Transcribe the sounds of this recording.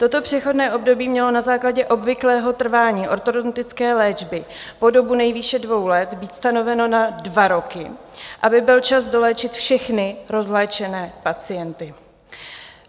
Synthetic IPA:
t̪o̞t̪o̞pr̝̥ɛxo̞dnɛːʔo̞bdo̞biːmɲɛlo̞nazaːklaɟɛʔo̞bvɪklɛːɦo̞t̪r̩vaːɲiːʔo̞ɾt̪odont̪ɪt͡skɛːlɛːd͡ʒbɪpo̞do̞bunɛjviːʃɛdvo̞wlɛt̪biːt̪st̪ano̞vɛno̞nadvaɾo̞kɪʔabɪbɪlt͡ʃazdo̞lɛːt͡ʃɪt̪fʃɛxnɪɾo̞zlɛːt͡ʃɛnɛːpat͡sɪjɛnt̪ɪ

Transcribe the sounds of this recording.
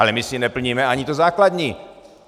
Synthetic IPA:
alɛmɪsɪnɛpl̩ɲiːmɛaɲit̪ozaːklad̪ɲiː

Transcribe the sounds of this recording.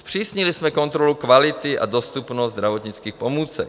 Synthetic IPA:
spr̝̥iːsɲɪlɪsmɛko̞nt̪ɾolukvalɪt̪ɪʔa̰do̞st̪upnost̪d̪ɾavo̞t̪ɲɪt͡skiːxpo̞muːt͡sɛk

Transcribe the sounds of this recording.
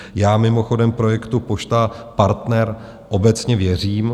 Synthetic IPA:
jaːmɪmo̞xo̞dɛmpɾo̞jɛkt̪upoʃt̪apaɾt̪nɛɾ | ʔo̞bɛt͡sɲɛvjɛr̝iːm

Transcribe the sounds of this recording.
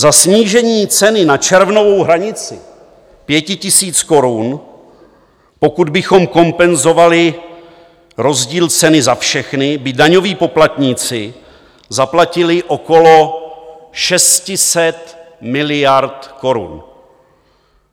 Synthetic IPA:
zasɲiːʒɛɲiːt͡sɛnɪnat͡ʃɛɾvno̞vo̞wɦɾaɲɪt͡sɪ | pjɛcɪcɪsiːt͡sko̞ɾun | po̞kud̪bɪxo̞mko̞mpɛnzo̞valɪ | ɾo̞zɟiːlt͡sɛnɪzafʃɛxnɪbɪdaɲo̞viːpo̞plat̪ɲiːt͡sɪ | zaplacɪlɪʔo̞ko̞lo | ʃɛscɪsɛt̪ | mɪlɪjaɾt̪ko̞ɾṵn

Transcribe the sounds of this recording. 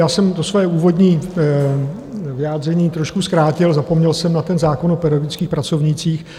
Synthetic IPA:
jaːsɛmt̪o̞svojɛuːvo̞dɲiː | vɪjaːd̪rɛɲiːt̪ɾoʃkuskɾaːcɪlzapomɲɛlsɛmnat̪ɛnzaːko̞nopɛɾɪoɡɪt͡skiːxpɾat͡sovɲɪt͡siːx

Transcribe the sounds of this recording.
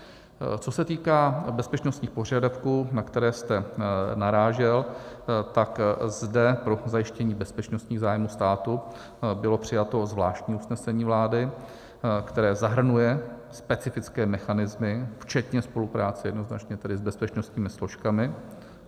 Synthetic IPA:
t͡so̞sɛt̪iːkaːbɛspɛt͡ʃnost̪ɲiːxpor̝adafkuːnakt̪ɛɾɛːst̪ɛnaɾaːʒɛlt̪akzdɛpɾo̞zajɪʃcɛɲiːbɛspɛt͡ʃnost̪ɲiːɣzaːjmuːst̪aːt̪u | bɪlo̞pr̝̥ɪjat̪o̞zvlaːʃt̪ɲiːusnɛsɛɲiːvlaːdɪ | kt̪ɛɾɛːzaɦr̩nujɛspɛt͡sɪfɪt͡skɛːmɛxanɪzmɪft͡ʃɛt̪ɲɛspo̞lupɾaːt͡sɛjɛdno̞zna̰t͡ʃɲɛt̪ɛdɪzbɛspɛt͡ʃno̞st̪ɲiːmɪslo̞ʃkamɪ

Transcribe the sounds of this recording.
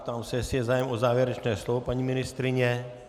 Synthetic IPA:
t̪aːmsɛjɛsɪjɛzaːjɛmʔozaːvjɛɾɛt͡ʃnɛːslovopaɲimɪnɪst̪ɾɪɲɛ

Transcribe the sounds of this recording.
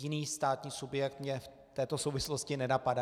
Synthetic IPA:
ɪniːst̪aːt̪ɲiːsubjɛk̚t̪mɲɛf | t̪ɛːt̪o̞sowvɪsloscɪnɛnapada

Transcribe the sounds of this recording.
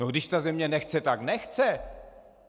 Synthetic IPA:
noɡdɪʃt̪azɛmɲɛnɛxt͡sɛt̪aɡnɛxt͡sɛ

